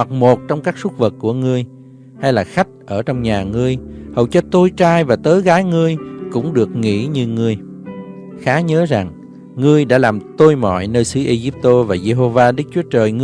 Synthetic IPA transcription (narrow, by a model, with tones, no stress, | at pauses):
a˨˩k̚mo˨˩t̚t͡ɕɔ˧wŋ͡mkaː˦˥k̚sʊ˦˥t̚və˨˩t̚kːu˧˩əŋɨ˧əj | ha˧jlaː˨˩xa˦˥jk̟̚ʔəː˧˩t͡ɕɔ˧wŋ͡mɲaː˨˩ŋɨ˧əjhə˨˩wt͡ɕɔ˧t̪o˧jt͡ɕaː˧jvaː˨˩t̪əː˨˦jɣaː˨˦jŋɨ˧əjkʊ̰˧˥ŋ͡mɗɨ˨˩ək̚ŋḭ˧˥ɲɨ˧ŋɨ˧əj | xaː˨˦ɲəː˨˦za˨˩ŋ | ŋɨ˧əjɗa̰ː˧˥laː˨˩mt̪o˧jmɔ̰˧˨jnəː˧jsɨ˨˦ʔe˧ɣi˦˥p̚t̪o˧vaː˨˩ze˧ɦo˧vaː˧ɗɨ˦˥k̚t͡ɕu˨˦ət͡ɕəː˨˩jŋɨ˧